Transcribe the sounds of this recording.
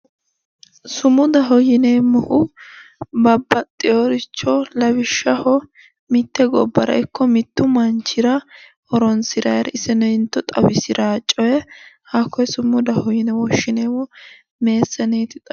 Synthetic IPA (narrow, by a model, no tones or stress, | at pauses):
sʊmʊd̪ɐɦɔjɪnemɔhʊ | bɐbːɐt̪ʼːɪjɔɾɪt͡ʃːɔlɐbɪʃːɐhɔ | mɪt̪ːɛɡɔbːɐɾɐ̰ɪkʰːɔmɪt̪ːʊmɐnt͡ʃːɪɾɐ | ɔɾɔnsɪɾɐjɾɪsɛnɛɪnt̪ːɔt̪ʼɐwɪsɪɾʔaːt͡ʃʼːɔjɛhakːɔjsʊmːʊd̪ɐhɔjɪnɛwɔʃːɪneːwɔ | me̞ːsːɛneːt̪ɪt̪ʼɐ